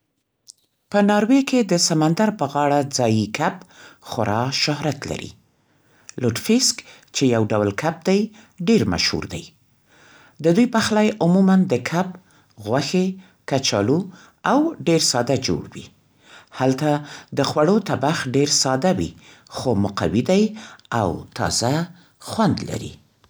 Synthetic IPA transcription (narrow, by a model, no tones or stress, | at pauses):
pənɑɾweked̪əsamand̪aɾpəɣɑɽad͡zɑjikʰabxʊɾɑʃʊhɾat̪la̰ɾḭ | loʈfisk | t͡ʃejawɖawlkʰab̚d̪aj | ɖeɾma̰ʃhṵɾd̪a̰j | d̪əd̪ujpaxlajʊmumand̪əkʰab | ɣwaxe | kat͡ʃɑlu | awɖeɾsɑd̪ad͡ʒo̰ɽwḭ | halt̪ad̪əxwaɽot̪abaxɖeɾsɑd̪awḭ | xomʊqa̰wid̪ajawt̪ɑ̰za | xwand̪la̰ɾḭ